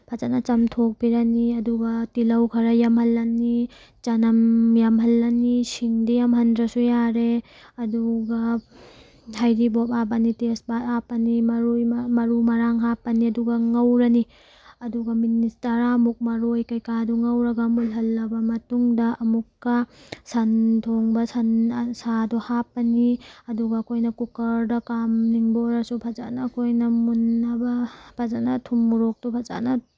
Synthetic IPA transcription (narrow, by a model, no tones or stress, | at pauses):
pʰɐt͡ʃanɐt͡ʃɐmtʰok̚piɾɐniɐduɡɐtilɐwkʰɐɾɐjɐmhɐlːɐni | t͡ʃɐnɐmjamɦɐlːɐnisiŋdijamɦɐndɾɐsujaɾe | ɐduɡɐ | hajɾibopabanitesbatapɐnimɐɾujmɐɾumɐɾaŋɦapɐniɐduɡɐŋɐwɾɐni | ɐduɡɐministɐɾaɐmuk̚mɐɾojkɐjkaduŋɐwɾɐɡɐmulɦɐlːɐbɐmɐtuŋdɐʔɐmukːɐsɐntʰoŋbɐsɐnsaduhapːɐniɐduɡɐːkʰojnɐkukɐɾdɐkamniŋboɾɐsupʰɐza̰nɐːkʰojnɐmunːɐbɐpʰazanɐtʰumːuɾok̚tupʰɐza̰nɐ